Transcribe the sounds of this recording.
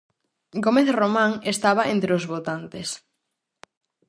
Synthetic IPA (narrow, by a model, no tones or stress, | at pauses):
ɡomeθromãŋest̪aβɐent̪ɾeozβot̪ant̪es